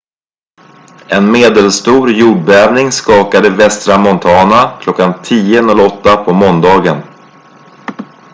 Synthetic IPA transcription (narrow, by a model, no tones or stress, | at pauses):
ɛnmeːd̪ɛlst̪uːɾjuːɖ̚bɛœːvnɪŋskɑːkad̪əvɛst̪ɾamɔnt̪ʰɑːnakʰlɔkːant̪ʰiːənɔlɔt̪ːapʰɔmɔnd̪ɑːɡən